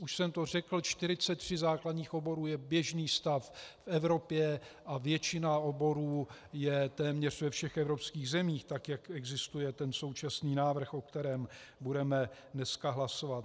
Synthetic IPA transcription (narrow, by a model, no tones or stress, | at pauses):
uʃsɛmt̪o̞r̝ɛkl̩t͡ʃt̪ɪɾɪt͡sɛt̪ːr̝̥ɪzaːkladɲiːxʔo̞bo̞ɾuːjɛbjɛʒniːst̪affɛvɾo̞pjɛʔavjɛt͡ʃɪnaobo̞ɾuːjɛt̪ɛːmɲɛr̝̥vɛfʃɛxɛvɾo̞pskiːɣzɛmiːxt̪akjakɛɡzɪst̪ujɛt̪ɛnso̞wt͡ʃasniːnaːvr̩xʔo̞k̚t̪ɛɾɛːmbudɛmɛ | nɛskaɦlaso̞vat̪